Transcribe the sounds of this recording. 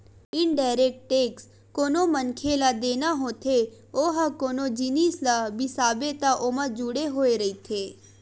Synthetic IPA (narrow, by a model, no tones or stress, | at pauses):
ɪɳɖajɾek̚ʈʈeks | konomənkʰelad̪enaɦot̪ʰe | oɦakonod͡ʒinislabisabet̪aʔomãd͡ʒuɽeɦoeɾəit̪ʰe